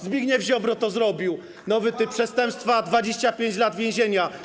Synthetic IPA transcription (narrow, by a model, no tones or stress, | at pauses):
zbʲiɡɲɛvʑɔbɾɔt̪ɔzɾɔbʲiw | nɔvɘt̪ɘpʂɛst̪ɛmpst̪fad̪vad͡ʑeɕt͡ɕapʲjeɲd͡ʑlad̪vʲjẽw̃ʑeɲa